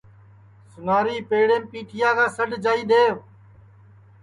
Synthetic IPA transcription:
sʊnaːɾiːpeːɽẽːmpiːʈʰɪjaːkãːsəɖd͡ʒaːiːɗ̪eːʋ

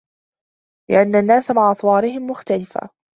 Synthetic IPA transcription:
lɪ̰ʔanːanːaːsamaʕʔɑsˤwɑːɾɪhɪmːʊxt̪alɪfa̰ː

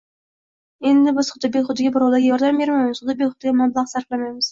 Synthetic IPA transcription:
e̞nd̪ɪbɪzχʊd̪ɪpbekʲχʊt̪ːɪɡʲabʊɾɑwlˠaɾɡʲajɒɾd̪ambeɾmajmɪzχʊd̪t̪ɪbekʲχʊt̪ːɪɡʲamɑblˠɑqsaɾflˠamajmɪz̥

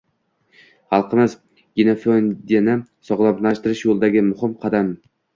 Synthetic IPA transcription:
χɑlˠqʰɨmɪz | ɡʲɪnefond̪enɪ | sɒʁlˠapnaʃt̪ɪɾɪʃjolˠd̪aɡʲɪmʊhɪmqʰɑd̪am

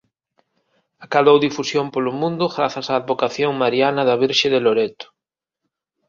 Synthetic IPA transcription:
akaðowðifusjompolʊmũnd̪ʊɣɾaθasaːðβokaθjoŋmaɾianɐðɐβ̞iɾʃeðeloɾet̪ʊ̥

